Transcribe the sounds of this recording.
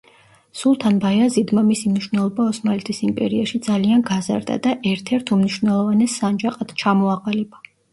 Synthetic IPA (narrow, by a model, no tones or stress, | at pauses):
sulˠt̪ʰanbajazid̪mamisimniʃwvnɛlˠɔbaɔsmalɛt̪ʰisimpʼɛ̰ɾiaʃid̪zalianɡaza̰ɾd̪a̰d̪aʔɛɾt̪ʰɛɾt̪ʰumniʃwvnɛlˠɔvanɛsːand͡ʒaqʼat̪ʰt͡ʃʰamɔaqʼalɛba